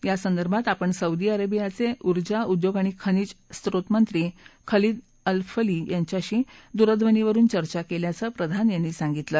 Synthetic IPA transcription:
jasənd̪əɾbʱat̪apəɳsəud̪iːəɾabijat͡seʔuɾd͡ʑaud̪joɡaɽ̃ikʰəniːd͡ʑst̪ɾot̪mənt̪ɾiːkʰəliːd̪ | əlfəliːjaɲt͡ɕjaɕiːd̪uɾəd̪ʱʋəniʋəɾuːnt͡ɕəɾt͡ɕakeljat͡səpɾəd̪ʱanjanːiːsãŋɡit̪lə

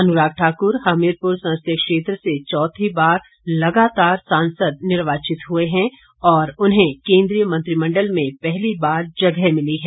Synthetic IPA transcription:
ɐnʊɾaːɡ̚ʈʰaːkʊɾɦaːmɪɾpʊɾsɐ̃nst̪jəkʃeːt̪ɾəset͡ʃɔːt̪ʰibaːɾ | lɐɡaːt̪aːɾsãːnsəd̪̚nɪɾʋaːt͡ʃɪt̪ɦueɦɛ̃ | ɔːɾʊnɦẽkẽːnd̪ɾijəmɐ̃nt̪ɾimɐ̃ɳɖəlmẽpɛɦlibaːɾd͡ʒɐɡɛmɪliɦɛː

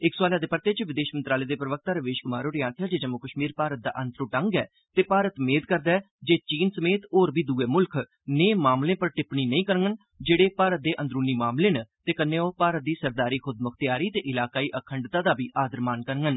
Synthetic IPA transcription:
ɪkswaːlaːd̪eːpəɾt̪eːt͡ʃʋɪd̪eːʃmənt̪ɾaːleːd̪eːpɾəʋək̚t̪aːɾəʋeːʃkʊmaːɾoːɾɪjãːt̪ʰjaːd͡ʒeːd͡ʒəmʊkəʃmiːɾpaːɾət̪̚d̪a̰ːʔənt̪ɾõːʈəŋɡɛː | t̪eːpaːɾət̪meːd̪kəɾd̪ɛː | d͡ʒeːt͡ʃiːnsəmeːt̪oːɾbiːd̪uːeːmʊlkʰ | neːmaːmlẽːpəɾʈɪpniːnəĩːkəɾŋɡən | d͡ʒeːɽeːpaːɾət̪̚d̪eːʔənd̪ɾuːniːmaːmlẽːnt̪eːkənːẽːoːpaːɾət̪̚d̪iːsəɾd̪aːɾiːkʰʊd̪mʊkʰt̪ɪjaːɾiːt̪eːʔɪlaːkaːiːʔəkʰəɳɖt̪aːd̪aːbiːʔaːd̪əɾmaːnkəɾŋən

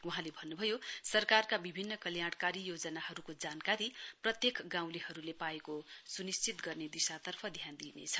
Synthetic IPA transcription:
wuɦãlebʱʌnːubʱʌjosʌrkarkabibʱinːʌkʌljaɽkaɾijod͡zʌnahʌɾukod͡zankaɾiprʌt̪jekɡãw̃lehʌɾulepaekosunist͡sit̪ɡʌrned̪isat̪ʌrpʰʌd̪ʱjand̪inḛt͡sʰʌ̥

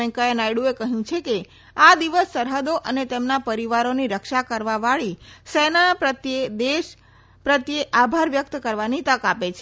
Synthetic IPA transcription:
ɛ̃ŋkajenajɽuekəɦjũt͡ʃʰeke | ad̪iʋəsːəɾɦəd̪oʔənet̪emnapəɾiʋaɾoniɾəkʃakəɾʋaʋaɭisɛnapɾət̪jed̪eʃ | pɾət̪jeʔabʱaɾʋjək̚t̪kəɾʋanit̪əkapet͡ʃʰe

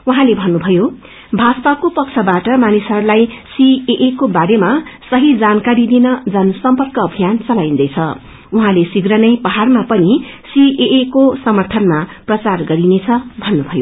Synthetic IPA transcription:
uɦãlebʱʌnːubʱʌjo | bʱaspakopʌkt͡sʰʌbaʈʌmanisʌɾlajsieʔekobaɾemasʌɦid͡zankaɾid̪inʌd͡zʌnsʌmpʌrkʌːbʱijant͡sʌlaĩnd̪ʌjt͡sʰʌ | uɦãlesiɡrʌnʌjpʌɦarmapʌni | siʔeʔekosʌmʌrt̪ʰʌnmaprʌt͡sarɡʌɾinet͡sʰʌbʱʌnːubʱʌjo

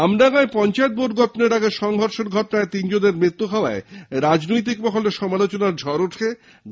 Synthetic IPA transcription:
amdaɡaepɔnt͡ɕaet̪̚boɖɡɔʈoneɾaɡeʃɔŋɦɔɾʃeɾɡʱɔʈonaet̪ind͡ʑod̪eɾmɾit̪ːuɦɔoaeɾad͡ʑnojt̪̬ikbɔkʰoleɾʃɔmalot͡ɕonaɾd͡ʑʱɔɾoʈʰe

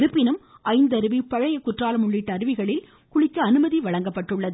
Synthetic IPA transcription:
ɾɯpːɪnɯm | ʔɐɪnd̪ɐɾɯʋipɐɻɐjɐkːʊʈraːlɐmʊɭːɪʈːɐɐɾɯʋɪɣɐɭɪl | kʊɭɪkːɐːnɯmɐðiʋɐɻɐŋɡɐpːɐʈːɯɭːɐðɯ

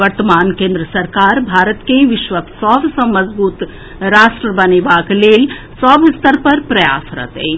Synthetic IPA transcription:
ʋəɾt̪əmaːnkẽːnd̪ɾəsɐɾkaːɾbʱaːɾət̪keʋiʃʋəksɔbsə̃məzbuːt̪ | ɾaːsʈɾəbɐniʋaːklel | sɔːbist̪əɾpɐɾpɾɐja̰ːsɾɐ̰t̪ḛj

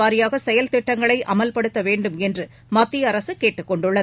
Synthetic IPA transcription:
aːɾɪjaːɣɐsɛjɐlt̪ɪʈːɐŋɡɐɭɐɪʔʔɐmɐlpɐɽɯt̪ːɐʋeːɳɖɯmɛndrɯ | mɐt̪ːɪjɐɾɐsɯkeːʈːɯkːɔɳɖɯɭːɐ

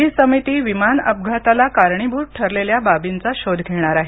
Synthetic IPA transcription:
ɦiːsəmit̪iːʋimanə̰b̚ɡʱat̪alakaɾɳ̃ibuːɾʈʰəɾleljababint͡saɕod̪ʱɡʱeɽ̃aɾaɦe

